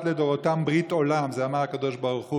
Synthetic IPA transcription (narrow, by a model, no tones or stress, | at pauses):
t̪led̪oʁot̪ambʁit̪o̞lamzeamaʁakad̪o̞ʃbaʁuχu